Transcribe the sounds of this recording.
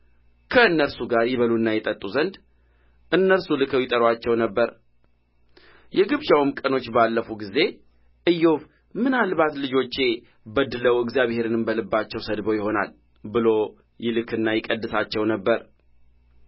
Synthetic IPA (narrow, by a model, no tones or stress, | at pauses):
kʰəɨnːəɾsuɡaɾjɪβəluɨnːajɛt̪ʼət̪ʼːuzənd̪ | ʔɨnːəɾsulɨkʰəwjɪt̪ʼəɾwat͡ʃːɛwnəbːəɾ | jɛɡɨβd͡ʒawɨmkʼəno̞t͡ʃːbalːəfuɡize̞ | ʔɨjːof | mɨnalβat̪lɨd͡ʒo̞t͡ʃːe̞ | bəd̪ːɨləwɨɡzjaβhe̞ɾɨnɨmbəlɨbːat͡ʃːɛwsəd̪bəwjɪho̞na̰l | bɨlo̞ | jɪlɨkʰɨnːajɪkʼəd̪ːɨsat͡ʃːɛwnəbːəɾ